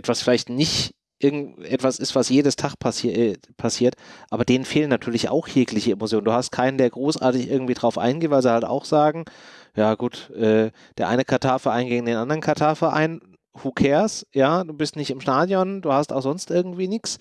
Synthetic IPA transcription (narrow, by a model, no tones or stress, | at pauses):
ʔɛtv̥asfɪlaɪçtnɪç | ʔɪɐɡŋ̩ʔɛtv̥asɪstv̥asjeːdəstʰaχpʰasi | pʰasiːɐtʔaːbɐdeːnənfeːlənːatʰyːɐlɪçʔa̰ʊxjeːklɪçəemot͡sjoːnd̥uːhastkʰaɪnəndeːɐɡʁoːsʔa̰ːɐtɪçʔɪɐɡŋ̩tv̥iːdʁaʊfʔa̰ɪnɡeːtvaɪlzihalta̰ʊxz̥aːɡŋ̩jaːɡuːtʔɛː | d̥eːɐʔa̰ɪnəkʰaɐtʰaːɐfɛɐʔaɪnɡeːɡŋ̩deːnʔandəʁənkʰaɐtʰaɐfɛɐʔa̰ɪn | hukʰɛːɐsjaːd̥uːbɪstnɪçtɪmʃtaːdjɔnduːhastaʊxz̥ɔnstʔɪɐɡŋ̩tv̥iːnɪks